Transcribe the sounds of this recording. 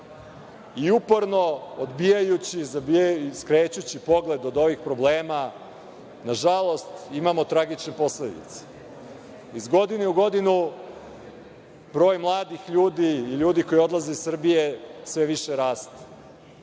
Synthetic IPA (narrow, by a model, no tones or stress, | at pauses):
iupo̞ɾno̞od̪bijajut͡ɕizabijaskɾeːt͡ɕut͡ɕipo̞ɡle̞d̪od̪o̞ʋixpɾo̞bleːma | naʒalˠo̞st̪imamo̞t̪ɾaɡit͡ʃnepo̞sled̪ḭt̪se̥ | izɡo̞d̪ineuɡo̞d̪inu | bɾo̞ːjmlˠaːd̪ixʎuːd̪iːʎuːd̪iko̞jo̞d̪lˠazeisr̩bije̞sʋeʋiʃeɾaːst̪e̥